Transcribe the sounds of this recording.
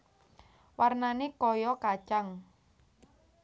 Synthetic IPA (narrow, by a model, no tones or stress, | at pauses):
warnanekɔjɔkḁt͡ʃaŋ